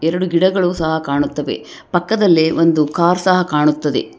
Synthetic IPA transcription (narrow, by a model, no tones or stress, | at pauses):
ɛɾɐɽuɡiɽɐɡɐɭuːsɐɦɐkaːɳut̪ːɐʋe̞̰ | pɐkːɐd̪ɐlːeʔond̪ukaːɾsɐɦɐkaːɳut̪ːɐd̪e̞̰